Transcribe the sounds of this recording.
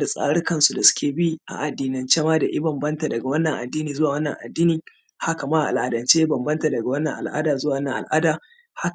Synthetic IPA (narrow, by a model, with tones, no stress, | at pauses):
da˨sʼa̰ː˦ɽɪ˦kɐ˦nsu˨da˨sʊ̥˦kʲeː˨bi˦ʔa̰˨ʔa˨dːiː˨nɪ˨nt͡ʃa˦maː˦da˨ʔɪ˦bɐ˨mbɐ˦nta˨dɐ˨ɡa˨wɐ˦nːɐ˨ŋʔa̰˨dːiː˦niː˨zʊ˦waː˨wɐ˦nːɐ˨ŋʔa̰˨dːiː˦niː˨ | ha˦ka˨maː˦ʔa˨ʔa̰˨lʔaː˨dɐ˨nt͡ʃeː˦jbɐ˨mbɐ˦nta˨dɐ˨ɡa˨wɐ˦nːɐ˨ŋʔa̰˨lʔa̰ː˦daː˨zʊ˦waː˨wnːɐ˨ŋʔa̰˨lʔaː˦daː˨ | ha˦